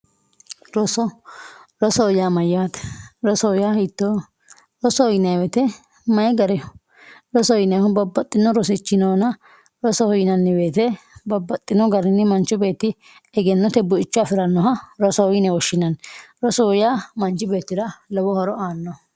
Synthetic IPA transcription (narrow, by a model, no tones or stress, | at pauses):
ɾɔsɔ | ɾɔsɔɔjaːmɐjːaːt̪ɾɔsɔɔjaːhit̪ːɔ | ɾɔsɔɔjɪnɐjwɛt̪ɛ | mɐjɡɐɾɛ | ɾɔsɔjnɛhʊbɐbːɐt̪ʼːɪnːɔɾɔsɪt͡ʃːɪnoːnɐ | ɾɔsɔhɔjɪnɐnːɪbe̞ːt̪ɛbɐbːɐt̪ʼːɪnɔɡɐɾɪnːɪmɐnt͡ʃːʊbe̞ːt̪ːɪ | ɛɡɛnːɔt̪ɛbːʊɪt͡ʃːɔɐfɪɾɐnːɔɦɐɾɔsɔɔjɪnɛwɔʃːɪnɐnɾɔsɔɔjaːmɐnt͡ʃːɪbe̞ːt̪ːɪdɐlɔwɔhɔɾɔaːnːɔ